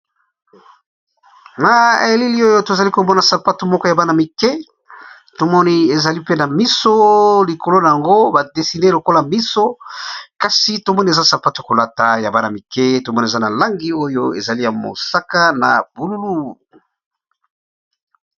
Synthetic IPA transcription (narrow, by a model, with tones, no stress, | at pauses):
na˦e˨e˨li˦li˦o˦jo˦to˨za˨li˦ko˨mɔ˦na˨sa˨pa˦tu˨mɔ˦kɔ˦ja˨ba˦na˨mi˨kɛ˦ | to˨mɔ˦ni˦e˨za˨li˦pe˦na˨mi˦so˦li˨ko˨lo˦na˨ja˨ŋɡo˦ba˨de˨si˨ne˦lo˨ko˦la˨mi˦so˦ka˨si˨to˨mɔ˦ni˦e˨za˦sa˨pa˦tu˨a˨ko˨la˦ta˨ja˨ba˦na˨mi˨kɛ˦to˨mɔ˦ni˨za˦na˨la˦ŋɡi˦o˦jo˦ḛ˨za˨li˦ja˨mo̰˨sa˦ka˦na̰˨b̥u˨lu˦lu˦